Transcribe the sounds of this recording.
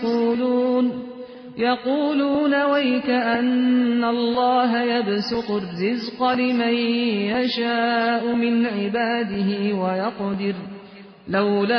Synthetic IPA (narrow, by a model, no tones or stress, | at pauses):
uːluːn | jɑquːluːnawajkaʔanːalˤːɑːɦajabsʊqʊrːɪzqɑlɪmajjaʃaːʔʊmɪnʕɪbaːd̪ɪɦɪwajɑqd̪ɪɾ | lawla